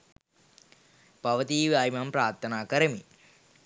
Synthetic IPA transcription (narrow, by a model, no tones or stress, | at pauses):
paʋət̪iːʋaːimampɾaːɾt̪ʰːənaːkəɾəmi